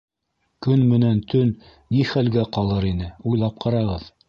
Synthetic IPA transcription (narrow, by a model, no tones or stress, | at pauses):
kɵnmɘ̆nænt̪ʰɵnː | iχælɡæqɑlˠɤɾinɘujlˠɑp̚qʰɑɾɑʁɤð